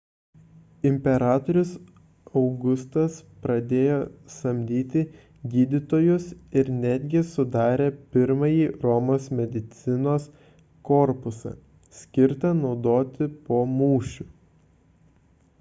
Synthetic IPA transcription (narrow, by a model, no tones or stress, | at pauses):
ɪmʲpʲɛɾɑːt̪ɔɾʲʊs | ɒʊɡʊst̪ɐspɾɐd̪ʲeːjoːsɐmʲd̪ʲiːt̪ʲɪ | ɡʲiːd̪ʲɪt̪oːjʊsɪɾnʲæd̪ʲɡʲɪsʊd̪ɑːɾʲeːpʲɪɾmɐjiːɾɔmoːsmʲɛd̪ʲɪt̪sʲɪnoːs | kɔɾpʊsɐ̰ | sʲkʲɪɾt̪ɐnɒʊd̪oːt̪ʲɪpoːmuːʃʲʊ